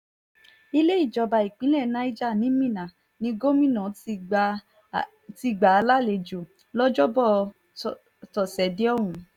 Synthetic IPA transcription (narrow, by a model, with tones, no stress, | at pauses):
i˧le˦i˦˨d͡ʒɔ˧˨ba˨i˨k͡pĩ˨˦lɛ˦˨nã˧˦i˦d͡ʒa˦˨nĩ˨˦mĩ˦˨nã˨ | nĩ˧ɡo˦mĩ˦˨nã˨˦ | ti˧ɡ͡ba˨˦a˧la˦le˧d͡ʒo˨ | lɔ˦d͡ʒɔ˦bɔ˦˨˧ | tɔ˨sɛ˨˦de˦ɔ˦˨w̃ũ˨˦